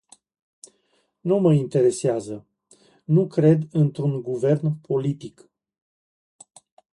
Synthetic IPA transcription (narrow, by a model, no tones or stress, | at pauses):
numəint̪e̞ɾe̞seazə | nukɾe̞d̪ɨnt̪ɾunɡuve̞rnpʰo̞lit̪ik